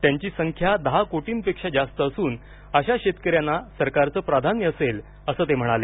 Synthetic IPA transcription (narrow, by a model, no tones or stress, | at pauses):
t̪jaɲt͡ɕiːsəŋkʰjad̪əɦakoʈiːmpekʂad͡ʑast̪əːsuːn | əɕaɕet̪kəɾjanːasəɾkaɾt͡səːpɾad̪ʱanjəəsel | əsəːt̪em̤əɽ̃ale